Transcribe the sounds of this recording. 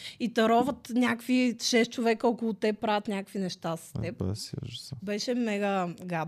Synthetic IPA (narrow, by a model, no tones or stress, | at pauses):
it̪ɐɾɔvət̪nʲakviʃɛst̪̚t͡ʃovɛkəɔkolˠʊt̪ɛpːɾavʲjət̪nʲakkvinɛʃt̪asə̥sɛp̚sbɛʃɛmɛɡəɡa